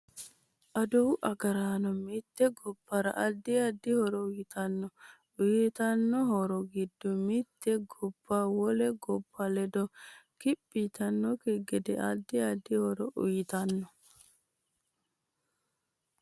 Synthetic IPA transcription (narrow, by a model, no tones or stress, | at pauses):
ʔɐd̪uwʔɐɡɐɾaːnɔmɪt̪ːɛɡɔbːɐɾɐ̰ʔɐd̪ːɪɐd̪ːɪhɔɾɔʊjɪt̪ʰɐnːɔ | ʊjɪt̪ɐnːɔhɔɾɔɡɪd̪ːɔmɪt̪ːɛɡɔbːawɔlɛɡɔbːɐlɛd̪ɔkɪpʼːit̪ɐnːɔkɛɡɛd̪ɛ̰ʔɐd̪ːɪɐd̪ːɪhɔɾɔʔʊ̰jɪt̪ɐnːɔ